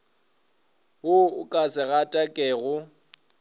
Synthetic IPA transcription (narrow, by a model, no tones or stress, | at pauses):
wʊʊkʼasɪɣatʼakʼɛːɣʊ